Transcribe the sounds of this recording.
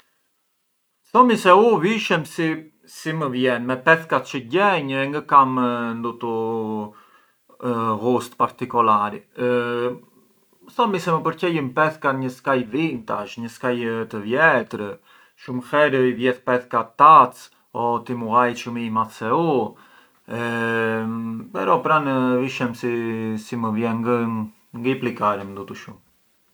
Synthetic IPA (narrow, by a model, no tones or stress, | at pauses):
θɔmisɛuviʃɛmsi | siməvjɛnmɛpɛθkat̪t͡ʃəɟɛɲɛŋɡəkamnd̪ut̪u | ɣust̪paɾt̪ikulaɾḭ | əθɔmisɛməpəɾcɛjəmpɛθkaɲəskajvint̪aʃɲəskajt̪əvjɛt̪ɾə | ʃumxɛɾəivjɛθpɛθkat̪at͡s | ɔt̪imuajʃumimaθsɛu | ɛ | pɛɾɔpɾanviʃɛmsisiməvjɛŋɡə | ŋɡiplikaɾəmd̪ut̪uʃum